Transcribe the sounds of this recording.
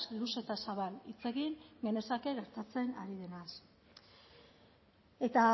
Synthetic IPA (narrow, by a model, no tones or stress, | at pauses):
luse̞t̪asaβanit͡se̞ɣiŋɡe̞ne̞sake̞ɣe̞ɾt̪at͡se̞na̰ɾiðe̞nas | e̞t̪a